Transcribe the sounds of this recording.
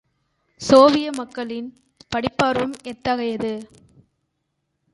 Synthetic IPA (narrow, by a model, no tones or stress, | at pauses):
soːʋɪjɐmɐkːɐɭɪn | pɐɽɪpːaːɾʋɯmɛt̪ːɐɣɐjɐðɯ